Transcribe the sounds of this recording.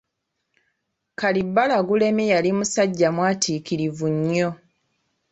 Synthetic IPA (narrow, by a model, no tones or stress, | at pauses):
kalibːalaɡule̞mijalimusaɟːamwaːtʰiːkiɾivuɲːo